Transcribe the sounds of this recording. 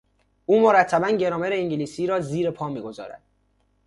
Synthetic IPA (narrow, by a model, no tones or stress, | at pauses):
ʔuːmoɾæt̪ʰːæbænɟe̞ɾɒːmeɾeiɲɟeliːsiːɾɒːziːɾepʰɒːmiːɡo̞zɒ̰ːɾæ̰d̪̥